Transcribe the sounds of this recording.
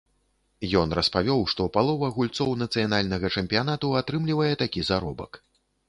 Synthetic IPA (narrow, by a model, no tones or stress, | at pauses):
jɔnrɐspavʲɔwʂt̪ɔpalˠɔvɐɣulʲt̪sɔwnɐt̪sɨjanalʲnɐɣɐt͡ʂɛmʲpʲijanat̪uat̪ɾɨmlʲivɐjɛt̪akʲizaɾɔbɐ̰k